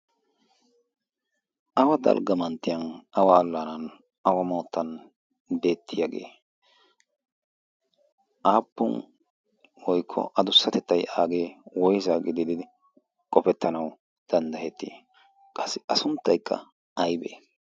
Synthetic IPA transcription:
ʔɐwɐd̪ɐ̰lɡɐmɐnt̪ːɪjɐnʔɐwɐːlːanɐn | ʔɐwɐmoːt̪ʰːɐn | be̞ːt̪ːɪjaɡḛː | ʔaːpːʊ̰n | wɔjkʰːɔ̰ʔɐd̪ʊsːɐt̪ɛt̪ːɐjaːɡe̞ːwɔjzaɡɪd̪ɪd̪ɪd̪ɪ | kʼɔpɛt̪ːɐnɐw | d̪̥ɐnd̪ɐhɛt̪ːi | kʼɐsːɪʔɐsʊnt̪ːɐjkʰːɐ̰ | ɐjbḛː

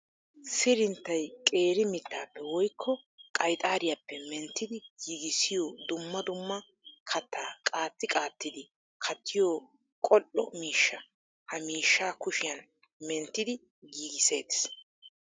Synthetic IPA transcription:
sɪɾɪnt̪ːɐjkʼe̞ːɾɪmɪt̪ːaːpːɛwɔjkʰːɔ | kʼɐjt̪ʼaːɾɪjapːɛmɛnt̪ːɪd̪ɪɡiːɡɪsɪjoːd̪ʊmːɐd̪ʊmːɐ | kʰɐt̪ːaːkʼaːt̪ːɪkʼaːt̪ːɪd̪ɪ | kʰɐt̪ʰːɪjoː | kʼɔlɔ̰miːʃːɐ | hɐmiːʃːaːkʊʃɪjɐn | mɛnt̪ːɪd̪ɪ | ɡiːɡɪseːt̪ɪ̥s

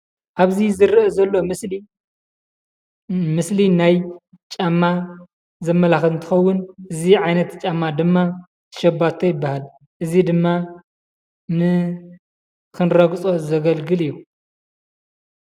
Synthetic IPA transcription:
ʔaβzizɨɾʔɐzɐlːo̞mɨsli | mɨslinaj | t͡ʃʼamːa | zɐmːɐlaxlɨnt̪ʰɨxɐwːʊnʔɨziʕajnɐt̪t͡ʃʼamːad̪ɨmːa | t̪ʰɨ̥ʃɐbat̪ʰːojɪbːahal | ʔɨzid̪ɨmːa | nɨ | kʰɨnɾɐɡt͡sʼo̞zɐɡɐlɡɨlɨjːu

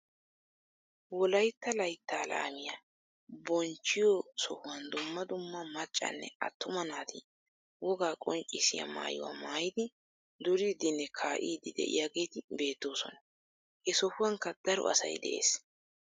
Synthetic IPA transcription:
wɔlɐjt̪ːɐlɐjt̪ːaːla̰ːmɪja | bɔnt͡ʃːɪjɔsɔhʊwɐnd̪ʊmːɐd̪ʊmːɐmɐt͡ʃʼːɐ̰nːɛ̰ʔɐ̰t̪ːʊmɐnaːt̪ʰɪ | wɔɡaːkʼɔnt͡ʃʼɪsɪ̰jɐ̰ma̰ːjʊ̰wa̰ːmaːjɪd̪ɪ | d̪ʊɾiːd̪ɪnːɛkʰaːʔiːd̪ɪd̪ɛ̰ʔɪ̰jaɡe̞ːt̪ɪbe̞ːt̪ːo̞ːsɔ̰nɐ | hɛsɔhʊwɐŋkɐd̪̥ɐɾɔ̰ʔɐ̰sɐ̰jd̪ɛ̰ʔe̞̰ːs

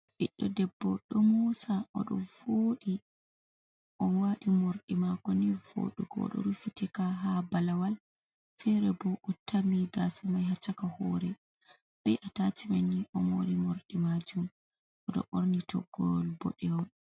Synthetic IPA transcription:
ɓiɗːɔdɛbːɔɗɔmusaʔɔ̰ɗɔ̰voːɗi | ʔɔwaɗimoɾɗimakɔnivo̰ɗuɡɔ̰ɗɔ̰ɾufitikaɦabalawal | fɛɾɛbɔʔɔtamiɡasumajhat͡ʃːakahɔɾɛ | b̥ɛʔatat͡ʃimanːiʔɔmoɾimoɾɗimad͡ʒum | ʔɔɗɔ̰ʔoɾnitʰɔ̰ɡɔlbɔ̰ɗɛwɔn

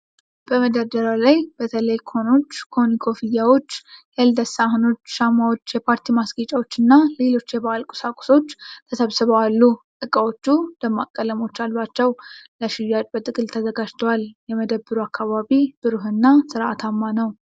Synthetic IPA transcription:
b̥əməd̪ad̪əɾalajb̥ət̪ʰələjkʰo̞no̞t͡ʃːkʰo̞nikʰo̞fɨjːawo̞t͡ʃːjeld̪əsaɦno̞t͡ʃːʃamawo̞t͡ʃːjɛpʰaɾt̪ʰimasɡit͡ʃʼawo̞t͡ʃːɨnːale̞lo̞t͡ʃːjɛbaalkʼu̥sakʼu̥so̞t͡ʃːt̪ʰəsəβsɨβəwalːut̪ʼɨkʼawo̞t͡ʃːud̪əmːakʼːələmo̞t͡ʃːalːwat͡ʃːɛwləʃɪjːat͡ʃʼbət̪ʼɨkʼɨlt̪ʰəzəɡad͡ʒt̪ʰəwaljɛməd̪əbːɨɾuakʰːaβaβib̥ɨɾɨɦɨnːasɨɾʔa̰t̪ʰamːanəw

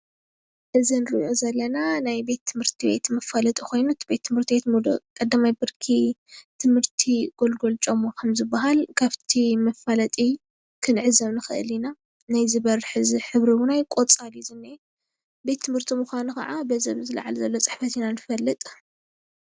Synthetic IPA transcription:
ʔɨzinɨɾɨʔozɐlːɐnanajbe̞t̪ʰːɨmhɨɾt̪ʰibḛt̪mɐfalɐt̪ʼikʰo̞jnut̪ʰibet̪ʰːɨmhɨɾt̪ʰiet̪mud̪o̰kʼɐd̪ːamajbɨɾkʰit̪ʰɨmhɨɾt̪ʰiɡ̥o̞lɡo̞lt͡ʃʼomːokʰɐmzɨbːaɦalkʰaβt̪ʰimɐfalɐt̪ʼi | kʰɨnʕɨzɐβnɨxɨʔɨ̰lina | najzɨβɐɾħɨziħɨβɾiwunajkʼot͡sʼalizɨnːa | be̞t̪ʰːɨmhɨɾt̪ʰimuxʷanukɐ̰ʕabɐzɐ̰βzɨla̰ʕa̰lzɐlːot͡sʼɨ̥ħfɐt̪ʰinanɨfɐlːɨt̪ʼ

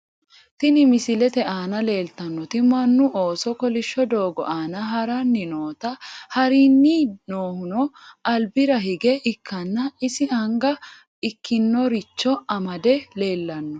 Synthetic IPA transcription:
t̪ɪnɪmɪsɪlɛt̪ɛʔaːnɐle̞ːlt̪ɐnːɔt̪ɪmɐnːʊʔo̞ːsɔkɔlɪʃːɔd̪o̞ːɡɔ̰ʔaːnɐɦɐɾɐnːɪnoːt̪ɐhɐɾinːinoːhʊnɔʔɐlbɪɾɐɦɪɡɛʔɪkʰːɐnːɐɪsɪɐŋɡɐ | ɪkːɪnːɔɾɪt͡ʃːɔɐmɐd̪ɛle̞ːlːɐnːɔ

